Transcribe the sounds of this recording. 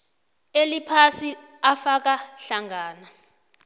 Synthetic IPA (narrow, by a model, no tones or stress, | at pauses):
elipʰasi | afak̬aɬaŋaːna